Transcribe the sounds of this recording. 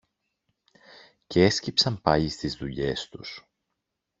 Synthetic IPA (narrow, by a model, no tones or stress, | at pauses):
ceescipsɐmpɐʎist̪izðuʎe̞st̪us